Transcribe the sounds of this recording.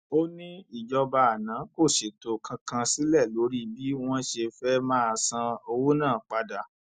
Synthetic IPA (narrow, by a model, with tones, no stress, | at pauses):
o˦nĩ˦i˦˨d͡ʒɔ˧ba˧a˨nã˨˦ko˦˨ʃe˨to˨kʰã˧kã˧si˨˦lɛ˦˨lo˨˦ɾi˦bi˦w̃ɔ̃˦ʃe˧fɛ˦mãː˦a˧sã˧o˧wo˦nãː˦˨k͡pa˧da˨